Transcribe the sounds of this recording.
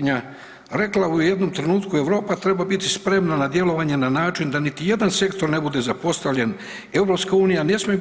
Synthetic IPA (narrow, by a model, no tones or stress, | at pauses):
ɲa | ɾe̞klaujje̞d̪no̞mt̪ɾe̞nuːt̪kue̞ʋɾo̞ːpat̪ɾe̞babit̪ispɾe̞mnanad̪je̞lo̞ʋaɲe̞nanaːt͡ʃind̪anit̪ije̞d̪anse̞kt̪o̞ɾne̞bud̪e̞zapo̞st̪aʋʎen | e̞vɾo̞pskauːnijane̞smi